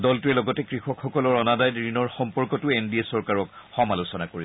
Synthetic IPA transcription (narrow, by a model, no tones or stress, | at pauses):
dɔltuɹɛlɔɡɔtɛkɹixɔkxɔkɔlɔɹɔnadajdɹinɔɹxɔmpɔɹkɔtʊenbiesɔɹkaɹɔkxɔmalusɔnakoɹi